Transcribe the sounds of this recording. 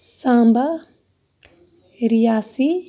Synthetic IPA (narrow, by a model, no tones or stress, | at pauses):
sãːmbʱɐ | ɾijaːsi